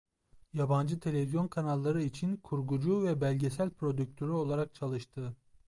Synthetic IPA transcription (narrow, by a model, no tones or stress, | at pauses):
jaband͡ʒɯt̪ʰe̞lʲe̞vizjo̞nkʰanalˠːaɾɯit͡ʃʰinkʰuɾɡud͡ʒuvɛbælʲɟe̞sælʲpʰɾo̞d̪yk̚t̪ʰøɾyo̞lˠaɾak̚t͡ʃʰalˠɯʃt̪ʰɯ